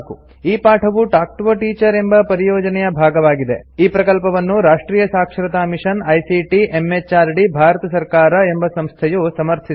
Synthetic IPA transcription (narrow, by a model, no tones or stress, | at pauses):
ku | iːpaːʈʰɐʋuʈaːk̚ʈʋɐʈiːt͡ʃɐɾe̞mbɐpɐɾijɔːd͡ʒɐnɛjɐbʱaːɡɐʋaːɡid̪ḛiːpɾɐkɐlpɐʋɐnːuɾaːʂʈɾiːjɐsaːkʂɐɾɐt̪aːmiʂɐnɐjsiʈiʔemːet͡ʃaːɾɖibʱaːɾɐt̪ɐsɐɾkaːɾɐe̞mbɐsɐmst̪ʰɛjusɐmɐɾt̪ʰi